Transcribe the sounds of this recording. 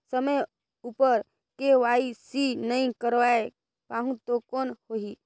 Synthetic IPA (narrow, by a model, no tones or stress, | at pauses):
səməj | upəɾ | keʋaisinəĩkəɾʋae | paɦũt̪okɔnhoɦi